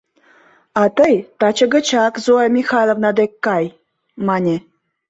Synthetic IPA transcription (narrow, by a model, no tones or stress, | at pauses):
ɑt̪əjt̪ɑt͡ɕə̆ɡə̆t͡ɕɑkzoɑmʲixɑjlˠovnɑd̪ekːɑj | mɑnʲe